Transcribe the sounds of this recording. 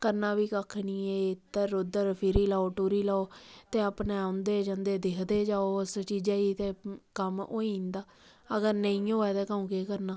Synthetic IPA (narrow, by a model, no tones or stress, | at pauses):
kəɾnaːbiːkəkʰniːɛːt̪əɾod̪əɾpʰɪɾiːlaːoːʈuːɾiːlaːoːt̪eːapneːãnd̪eːd͡ʒə̃nd̪eːd̪eːkʰd̪eːd͡ʒaːoːəst͡ʃiːd͡ʒaːiːt̪eːkəmoːĩːnd̪aː | əɡəɾnəĩːɦoːɛːt̪ɛːkaːũːkeːkəɾnaː